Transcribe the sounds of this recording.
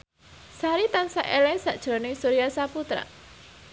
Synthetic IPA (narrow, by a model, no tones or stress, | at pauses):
saɾit̪ansaʔelɛsa̰ʔd̥ʒ̥ɾonɪsuɾiasaput̪ɾa̰